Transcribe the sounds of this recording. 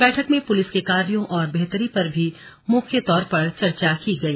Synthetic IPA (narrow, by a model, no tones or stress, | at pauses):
bɛːʈʰəkmẽpʊlɪskekaːɾjõʔɔːɾbɛɦt̪əɾipɐɾbʱi | mʊkʰjət̪ɔːɾpɐɾt͡ʃɐɾt͡ʃakiɡɐiː